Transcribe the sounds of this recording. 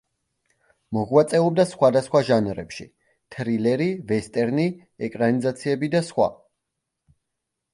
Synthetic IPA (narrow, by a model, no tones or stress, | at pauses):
mɔʁwat̪sʼɛɔb̚d̪asχwad̪asχwaʒanɾɛ̰pʃḭ | t̪ʰɾilɛɾivɛst̪ʼɛɾni | ɛkʼɾanizat̪sʰiɛbid̪asχwa̰